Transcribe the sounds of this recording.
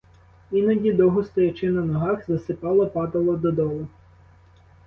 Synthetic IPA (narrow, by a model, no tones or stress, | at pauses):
inɐdʲid̪ɔɦʊst̪ɔjɐt͡ʃɪnɐnɔɦɑxzɐsɪpɑlˠɔpɑd̪ɐlˠɔd̪ɔd̪ɔlˠʊ